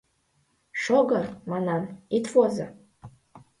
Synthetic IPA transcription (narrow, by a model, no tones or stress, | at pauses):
ʂoɡarmananit̪ʰfoza